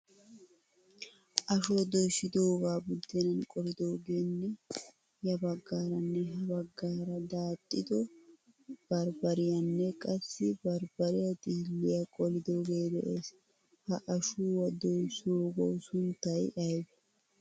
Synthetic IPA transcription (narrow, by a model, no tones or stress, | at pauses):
ʔɐʃod̪ojʃɪd̪oːɡaːbʊd̪ːɪnɐnkʼɔlɪd̪oːɡeːnːɛ | jɐbɐɡːaːɾɐnːɛɦɐbɐɡːaːɾɐd̪aːt̪ʼːɪd̪ɔ | b̥ɐɾbɐɾɪjɐnːɛkʼɐsːɪbɐɾbɐɾɪjɐd̪iːlːɪjɐkʼɔlɪd̪o̞ːɡeːd̪ɛ̰ʔeːs | hɐʔɐʃuːwɐd̪ojsoːɡo̰wsʊnt̪ːɐjᶑɐjb